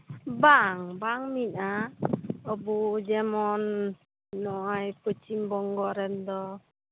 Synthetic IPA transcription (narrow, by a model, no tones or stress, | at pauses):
baŋbaŋmina | ɔbɔd͡ʒɛmɔnː | ɔʔajpɯt͡ʃimbɔŋɡɔɾɛnd̪ɔ